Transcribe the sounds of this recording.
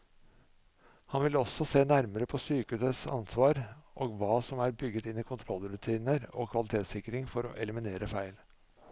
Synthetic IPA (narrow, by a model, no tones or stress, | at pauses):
hɑnʋɪlɔsɔseːnæɾməɾəpʰɔsyːkəʉːsəsɑ̰nsʋɑːɾʔoːɡʋɑːsɔmæɾbʏɡːət̪ɪnːiːkʰʊnt̪ʰɾɔlːɾʉt̪ʰiːnəɾo̰ːkʰʋɑlɪt̪ʰeːt̪sɪkɾɪŋfɔɾɔ̰ʔɛləmɪneːɾəfæɪl